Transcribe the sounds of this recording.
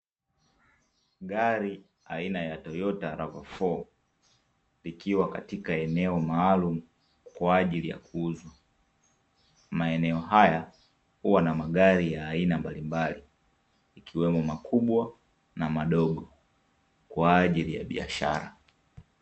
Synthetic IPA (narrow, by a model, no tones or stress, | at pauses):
ɠaɾi | ainajatɔjɔtaɾavafɔ | likiwakatikaɛnɛɔmaːlumu | kwaːʄilija̰kʰuuzwa | maɛnɛɔɦaja | huwanamaɠaɾijaːinambalimbaliː | kʰiwɛmɔmakʰuɓwa | namaɗɔɠɔ | kwaːʄilija̰ɓḭa̰ʃa̰ɾa